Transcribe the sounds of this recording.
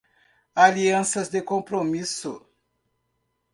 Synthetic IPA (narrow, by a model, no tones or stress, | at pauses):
aliɐ̃sɐzd̪ɪkõpɾomisʊ